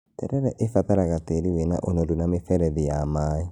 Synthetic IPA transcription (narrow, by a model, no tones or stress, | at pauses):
tɛ̰ɾɛɾɛʔefaðaɾaɣateɾiwena̰ʔonodunamefɛɾɛðijamaːi